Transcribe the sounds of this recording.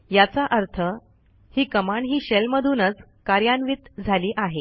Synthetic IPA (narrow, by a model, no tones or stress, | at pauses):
jat͡saʔəɾt̪ʰə | hiːkəmaɳɦiːɕelməd̪ʱuːnət͡s | kaɾjanʋit̪d͡zʱaliːʔaɦe